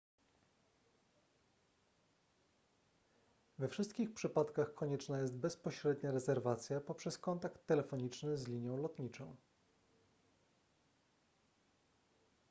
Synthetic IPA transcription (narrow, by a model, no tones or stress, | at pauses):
vɛfʂɘst̪kʲixpʂɘpat̪kaxkʰɔɲɛt͡ʂnajɛs̬t̪̚bɛspɔɕɾɛd̪ɲaɾɛzɛɾvat̪sʲjapɔpʂɛskɔnt̪akt̪ːɛlɛfɔɲit͡ʂnɘzlʲiɲjɔ̃w̃lɔt̪ɲit͡ʂɔ̃w̃